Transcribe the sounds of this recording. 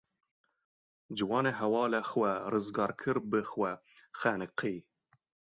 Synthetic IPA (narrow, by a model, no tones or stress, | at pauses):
d͡ʒɨwɑːneɦɛwɑːlɛxwɛrɨzɡɑːɾkʰɨɾbɨxwɛxæːnɨqʰiː